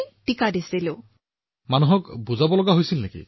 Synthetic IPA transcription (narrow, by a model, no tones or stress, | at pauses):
ʈikadisilo | manuɦɔkbuzabɔlɔɡaɦojsilnekḭ